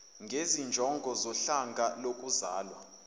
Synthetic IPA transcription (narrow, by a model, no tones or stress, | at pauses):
ŋɡʱezind͡ʒʱɔŋɡʱɔzɔɬaŋɡʱalokʼuzaːlwa